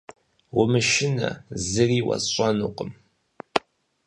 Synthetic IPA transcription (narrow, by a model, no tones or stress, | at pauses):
wʊmɨʃɪnɐ̰zɨriːwɐ̰ɕʼɐanuqəm